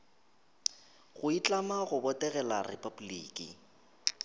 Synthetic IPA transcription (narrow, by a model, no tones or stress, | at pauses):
ɣʊit͡ɬʼamaɣʊbɔtʼɛɣɛlarɪ̰pʼabuliːkʼḭ